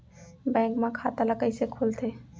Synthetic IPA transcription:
bɛ̃kmãkʰat̪aləkəjsekʰult̪ʰe

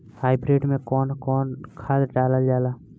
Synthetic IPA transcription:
haːɪbɾeːɖmẽkɔːnkɔːnkʰaːd̪ɖaːləld͡ʒaːlaː

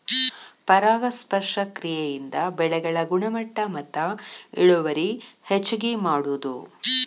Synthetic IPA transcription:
pɐɾaːɡɐspɐɾʂɐkɾijejind̪ɐbɛɭɛɡɐɭɐɡuɳɐmɐʈːɐmɐt̪ːɐiɭuʋɐɾihet͡ʃːuɡemaːɽud̪ṵ

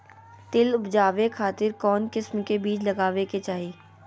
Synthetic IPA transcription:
t̪ɪlʊpd͡ʒaːʋekʰaːt̪ɪɾkɔːnkɪsmkebiːt͡ʃlɐɡaːʋeket͡ʃaːɦiː

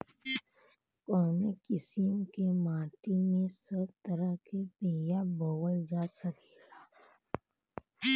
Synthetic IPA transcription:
kɔːnekɪsimkemaːʈimẽsəb̚t̪əɾəɦkepeːjabowəld͡ʒaːsəkeːlaː

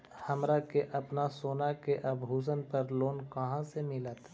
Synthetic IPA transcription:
hɐmɾakeʔɐpnasoːnakeʔɐbʱɦuːsənpɐɾloːnkɐɦãsemɪlət̪

